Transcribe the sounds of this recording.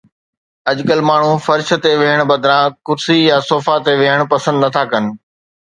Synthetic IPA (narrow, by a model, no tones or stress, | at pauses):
ɐʄkəlmaːɳ̤ufɐɾʃ̆t̪eʋɪɦəɽ̃bɐd̪ʱɾãːkʊɾsijasoːfat̪eʋɪɦəɽ̃pɐsə̃nd̪nɐt̪ʰakɐnɪ̆